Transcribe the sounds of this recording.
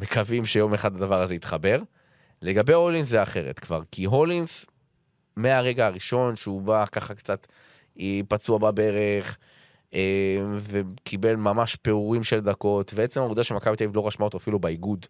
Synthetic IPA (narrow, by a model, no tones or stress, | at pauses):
me̞kʰavimʃejo̞meχadlad̪avaʁazeit̪χabe̞ʁ | le̞ɡabeo̞linszeaχe̞ʁḛt̪kvaʁkiɦo̞lins | meaʁe̞ɡaaʁiʃo̞nʃeubakaχakt͡sat̪ | pat͡suababeʁeχ | eve̞kʰibe̞lmamaʃpe̞uʁimʃeld̪ako̞t̪beet͡se̞maud̪aʃemakabit̪ejvlo̞ʁaʃmaot̪oafilubeiɡud̪